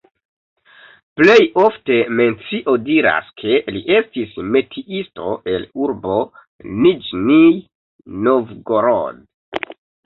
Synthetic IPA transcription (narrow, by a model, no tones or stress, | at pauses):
ple̞jo̞fte̞me̞nt͡siʔo̞diɾa̰skʰe̞liʔe̞stisme̞tʰiʔisto̞̰ʔe̞luɾbo̞ | nid͡ʒni | novɡoɾo̰d